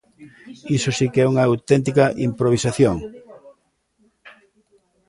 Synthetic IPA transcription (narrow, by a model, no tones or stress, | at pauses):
isosikɛuŋɐawt̪ɛnt̪̬ikɐʔimpɾoβ̞isaθjoŋ